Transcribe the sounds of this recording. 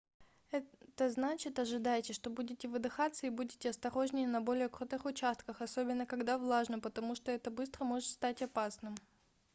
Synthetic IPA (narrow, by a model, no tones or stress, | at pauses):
ɛt̪əznat͡ɕɪt̪ɐʐɨd̪ajɪtʲɪʂt̪o̞budʲɪtʲɪvɨd̪ɨxat̪sːəibudʲɪtʲɪɐst̪ɐɾo̞ʐnʲɪjɪnɐbo̞lʲɪjəkɾut̪ɨxʊt͡ɕast̪kəxɐsobʲɪnːəkɐɡd̪avlˠaʐnəpət̪ɐmuʂt̪oɛt̪əbɨst̪ɾəmo̞ʐɨt̪st̪atʲɐpasnɨm